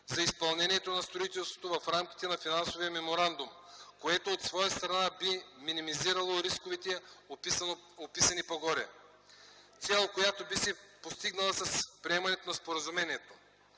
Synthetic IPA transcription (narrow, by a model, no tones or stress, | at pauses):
zɐispɐlˠnɛnʲiɛt̪onɐst̪ɾoit̪ɛlˠst̪vo̥t̪ovɐfɾamkʲi̥t̪ɛnɐfinansovijəmɛmoɾand̪umkoɛt̪oːt̪svɔjəst̪ɾɐnabiminimiziɾɐlˠoɾiskovit̪ɛ | opisɐnipoɡɔɾɛ̰ | t̪sɛlˠkojat̪obisɛpost̪iɡnɐlˠɐsɐspɾʲiɛmɐnɛt̪onɐspoɾɐzumɛniɛt̪o̥